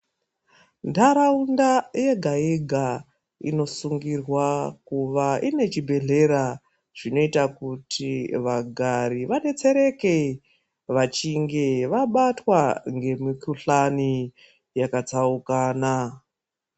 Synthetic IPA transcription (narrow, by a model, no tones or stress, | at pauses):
ndaɾaundaje̞ɡʱaeɡʱa | ḭno̞suŋɡirwakuʋaine̞t͡ʃibʱe̞ɮe̞ɾa | ʐ̥ino̞itakutʰiʋaɡʱaɾiʋane̞t͡se̞ɾe̞ke̞ | ʋat͡ʃiŋɡe̞ʋaɓatwaŋɡe̞mikuɬani | jakat͡saukaːna